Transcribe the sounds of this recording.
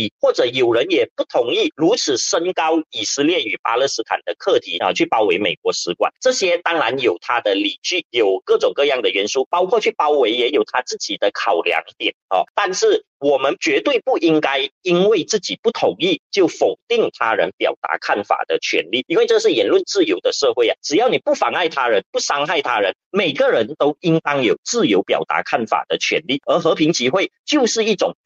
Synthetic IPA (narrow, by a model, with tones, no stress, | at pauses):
xwɔ˥˩ʈ͡ʂɤ˨˩jo˨˩ʊɻə˧˦˥njɛ˨˩pu˥˩t̪ʰʊ˧˥ŋi˥˩ɻu˧˥t͡sʰɹ̩˨˩ʂə˥nkɑ˥ʊi˨˩sɹ̩˥ljɛ˥˩y˨˩pa˥lɤ˥˧sɹ̩˥t̪ʰa̰˨˩nd̪ə˦kʰɤ˥˩t̪ʰi˧˥ə˧t͡ɕʰy˥˩pɑ˥ʊwe˧˥ɪme˨˩ɪkwɔ˧˥sɹ̩˧˥kwa̰˨˩˦nʈ͡ʂɤ˥˩ɕjɛ˥t̪ɑ˥ŋɻa˧˥njo˨˩ʊt̪ʰa˥d̪ə˨li˨˩t͡ɕy˥˩jo˨˩ʊkɤ˥˩ʈ͡ʂʊ˨˩ŋkɤ˥˧jɑ˥˩ŋd̪ə˩ɥɛ˧˥nʂu˥pɑ˥ʊkʰwɔ˥˧t͡ɕʰy˥˩pɑ˥ʊwe˧˥ɪjɛ˧˥jo˨˩ʊt̪ʰa˥t͡sɹ̩˥˩t͡ɕi˨˩d̪ə˦kʰɑ˨˩ʊljɑ̰˧˥ŋt̪jɛ˨˩˦nɔ̰˨˩t̪a˥˧nʂɻ̩˥˩ | wɔ˨˩mə˧˦nt͡ɕɥɛ˧˥t̪we˥˧ɪpu˥˩ʔi˥ŋka˥ɪi˥nwe˥˩ɪt͡sɹ̩˥˩t͡ɕi˨˩pu˥˩t̪ʰʊ˧˥ŋi˥˩t͡ɕjo˥˩ʊfo˨˩ʊt̪i˥˩ŋt̪ʰa˥ɻə̰˧˦npjɑ̰˨˩ʊt̪a̰˧˥kʰa˥˩nfa̰˨˩d̪ə˦t͡ɕʰɥɛ̰˧˥nli˥˩i˥nwe˥˧ɪʈ͡ʂɤ˥˧ʂɻ̩˥˩jɛ˧˥nlwə˥˧nt͡sɹ̩˥˩jo˧˥ʊd̪ə˧ʂɤ˥˧xwe˥˩ɪɐ̰a˨˩ʈ͡ʂɻ̩˨˩jɑ˥˩ʊni˨˩pu˥˩fɑ̰˧˥ŋa˥˩ɪt̪ʰa˥ɻə˧˦npu˥˩sɑ˥ŋxa˥˩ɪt̪ʰa˥ɻə˧˦nme˨˩ɪɡə˦ɻə˧˦nt̪o˥ʊi˥ŋt̪ɑ˥ŋjo˨˩ʊt͡sɹ̩˥˩jo˧˥ʊpjɑ̰˨˩ʊt̪a̰˧˥kʰa˥˩nfa̰˨˩d̪ə˦t͡ɕʰɥɛ̰˧˥nli˥˩ə˧˥xɤ˧˥pʰi˧˥ŋt͡ɕi˥xwe˥˩ɪt͡ɕjo˥˧ʊʂɻ̩˥˧i˥˩ʈ͡ʂʊ˨˩ŋ